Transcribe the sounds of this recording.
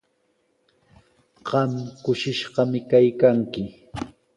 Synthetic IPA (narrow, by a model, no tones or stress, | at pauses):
ɢ̥ɑmkʊʃɪʃɢɑmɪkajkaŋkɪ